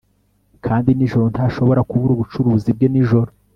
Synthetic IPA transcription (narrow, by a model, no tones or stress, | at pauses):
kʰaːndiniʒo̞ɾo̞ntaʃo̞βo̞ɾakuβuɾuβut͡ʃuɾuːzib̚ɟe̞niʒo̞ɾo